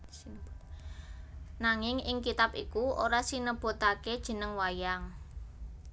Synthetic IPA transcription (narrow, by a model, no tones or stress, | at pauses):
b | naŋɪŋɪŋkit̪apikuʔoɾasinəb̥o̤t̪aked̥ʒ̥ə̤nəŋwajaŋ